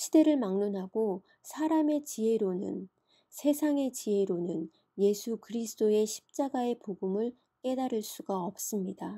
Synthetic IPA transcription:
ɕʰide̞ɾɯɭmaŋnunɦaɡo | sʰaɾame̞t͡ɕie̞ɾonɯ̰n | sʰe̞sʰaŋe̞t͡ɕie̞ɾonɯn | je̞sʰukɯɾisʰɯ̥d͈oe̞ɕʰi̥p̚t͡ɕ͈aɡae̞poɡumɯɭ | k͈e̞daɾɯɭs͈uɡaʌp̚s͈ɯmɲida

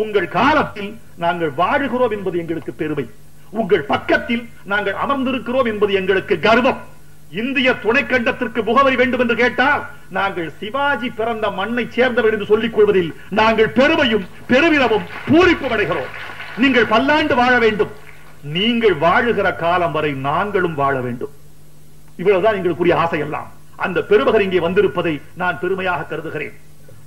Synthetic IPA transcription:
ʊŋɡɐɭkaːlɐt̪ːɪl | naːŋɡɐɭʋaːɻɯɣɪroːmɛnbɐðɯɛŋɡɐɭɯkːɯpɛɾɯmɐɪ | ʊŋɡɐɭpɐkːɐt̪ːɪl | naːŋɡɐɭɐ̰mɐɾnd̪ɪɾɯkːɪroːmɛnbɐðɯɛŋɡɐɭɯkːɯɡɐɾɯʋɐm | ɪnd̪ɪjɐt̪ʊɳɐɪkːɐɳɖɐt̪ːɪrkɯmʊɣɐʋɐɪʋeːɳɖɯmɛndrɯkeːʈːaːl | naːŋɡɐɭsɪʋaːd͡ʒipːɪɾɐnd̪ɐmɐnːɐɪt͡ʃseːɾnd̪ɐʋɪnɪnd̪ɯsɔlːɪkːɔɻʋɐðɪl | naːŋɡɐɭpɛɾɯmɐjɯm | pɛɾɯʋɪɾɐmɯmpuːrɪpːɯmɐɽɐɪɣɪro̰ːmniːŋɡɐɭpɐlːaːɳɖɯʋaːɻɐʋeːɳɖɯm | niːŋɡɐɭʋaːɻɯɣɪrɐkaːlɐmʋɐɾɐɪnaːŋɡɐɭɯmʋaːɻɐʋḛːɳɖɯm | ɪʋːɐɭɐʋɯt̪ãːniːŋɡɐɭɯkːuːɾɪjɐaːsɐjɛlːa̰ːm | ʔɐ̰nd̪ɐpɛɾɯbɐɣɐɾɪŋɡeːʋɐnd̪ɪɾɯpːɐðɐɪ | naːnpɛɾɯmɐjaːɣɐkːɐɾɯðɯɣɪɾḛːn

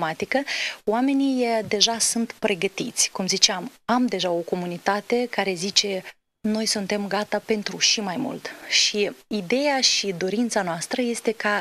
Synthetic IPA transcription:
mat̪ikəwame̞nijd̪e̞ʒasunt̪pɾe̞ɡət̪it̪sʲkumzit͡ʃeamamd̪e̞ʒao̞ko̞munit̪at̪e̞kaɾe̞zit͡ʃe̞ | no̞jsunt̪e̞mɡat̪ape̞nt̪ɾuʃimajmṵlt̪ʃiid̪e̞jaʃid̪o̞ɾint̪sanoast̪ɾəje̞st̪e̞ka

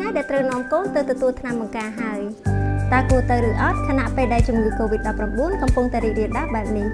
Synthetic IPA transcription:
ŋajɗaɛlt̪rəwnŏəmkoːnt̪ɨwt̪ɔt̪uəlt̪ʰnamɓɑŋkaːɦaəjt̪aːkuət̪ɨwɾɨːʔɑt̪̚kʰanaʔpeːlɗaɛlt͡ɕumŋɨːkoːʋit̪̚ɗɑpːramɓuənkɑmpuŋt̪aɛɾiːk̚riəɗap̚ɓaɛp̚ni

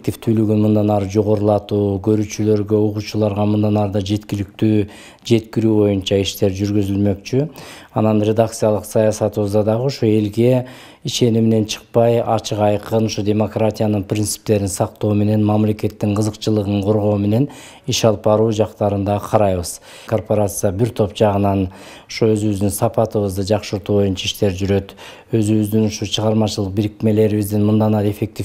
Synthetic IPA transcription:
kt̪ʲift̪ʰylyɡynmund̪ɑnɑɾɯd͡ʒo̞ʁo̞ɾulˠɑt̪uːkʰø̞ɾyːt͡ʃylø̞ɾɡø̞oquːt͡ʃulˠɑɾʁɑmund̪ɑnɑɾɯd̪ɑd͡ʒe̞t̪kʲilɪkt̪yː | d͡ʒe̞t̪kʲiɾyːβo̞junt͡ʃɑiʃt̪e̞ɾd͡ʒyɾɡyzylmø̞kt͡ʃy | ɑnɑnrʲe̞d̪akt̪sɨjalˠəqsɑjɑsɑt̪ɨβɯzd̪ɑd̪ɑʁəoʃoe̞lɡe̞ | iʃe̞nimene̞nt͡ʃʰɨ̥q̚pɑjɑ̰t͡ʃʰɨqɑjqɯnoʃodʲe̞mo̞kratʲijanɯnprʲint̪sɨ̥p̚t̪e̞ɾinsɑqt̪o̞ːme̞ne̞nmɑmle̞ke̞t̪ːiɴqʰəzəqt͡ʃɯlˠɯʁɯɴqʰo̞ɾʁo̞ːme̞ne̞n | iʃɑlˠpɑɾuːd͡ʒɑqt̪ɑɾɯnd̪ɑqʰɑɾɑjβɯz | kʰo̞rpo̞ɾat̪sɨjabiɾt̪ʰo̞pd͡ʒɑʁɯnɑn | oʃoø̞zyβyzd̪ynsɑpɑt̪ɯβɯzd̪ɯd͡ʒɑqʃɯɾt̪uːβo̞junt͡ʃɑaiʃt̪e̞ɾd͡ʒyɾø̞t̪ | ø̞zyβyzd̪ynoʃot͡ʃʰəʁɑɾmɑt͡ʃɯlˠɯq̚biɾikme̞le̞ɾiβizd̪inmund̪ɑnɑɾe̞fe̞k̚t̪ʲi

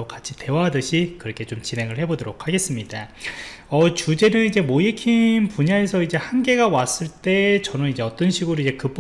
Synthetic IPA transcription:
okat͡ɕʰi̥te̞waɦadɯɕʰikɯɾʌkʰe̞t͡ɕomt͡ɕinɦe̞ŋɯɭhe̞bodoɾokʰaɡe̞s͈ɯmɲida | ʌt͡ɕud͡ʑe̞nɯnid͡ʑe̞moikʰinnpuɲae̞sʰʌid͡ʑe̞hanɡe̞ɡawas͈ɯɭt͈e̞t͡ɕʌnɯnid͡ʑe̞ʌt͈ʌnɕʰiɡuɾoid͡ʑe̞kɯp͈

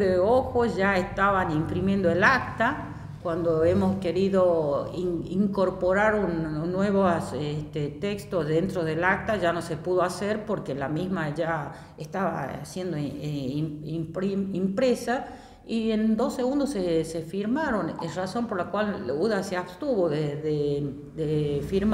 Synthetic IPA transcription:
eoxoʒaest̪aβanimpɾimje̞nd̪oelakt̪a | kwand̪oemo̞skeɾiðoiiŋko̞ɾpoɾaɾunːweβosest̪et̪ekst̪ozðe̞nt̪ɾoðelak̚t̪aʒano̞sepuð̞oaseɾpoɾkelamizmaʒa | est̪aβa̰a̰sje̞nd̪o | mpimpɾesa | iend̪o̞seɣũnd̪osesefiɾmaɾo̞neraso̞mpoɾlakwaluðaseaβst̪uβoðeðe | d̪efiɾm

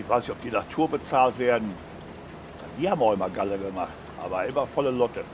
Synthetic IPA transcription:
ɪçv̥aɪsnɪçɔ̥pd̥iːnatʰuːɐbət͡saːltv̥eːɐdn̩ | a̰d̥iːhaːbm̩ʊxɪmɐɡaləɡəmaχt | ʔa̰ːbɐʔɪmɐfɔləlɔtə

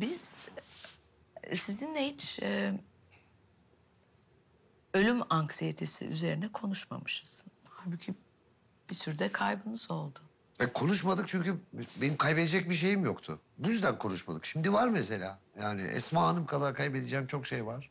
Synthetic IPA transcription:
biz̥ | sizinlɛhit͡ʃɛ | ø̞lʲymaŋksijet̪ʰesḭʔy̰ze̞ɾinɛkʰo̞nuʃma̰mɯʃɯz̥haːɾbucʰi | b̥isyɾd̪ɛkʰajbɯnɯzo̞lˠd̪ʊ | vɛkʰo̞nuʃmad̪ɯk̚t͡ʃʰyɲcʰybenimkʰajbed̪ed͡ʒɛc̚biʃ̬e̞jimjokt̪ʰʊ̰ | bujyzd̪ænkʰo̞nuʃmad̪ɯkʃimd̪ivaɾmese̞lʲaː | jaːnɪ̰ʔɛ̰smaːanɯmkʰalˠaɾakʰajbed̪ed͡ʒɛːmt͡ʃʰo̞kʃejvaɾ̥

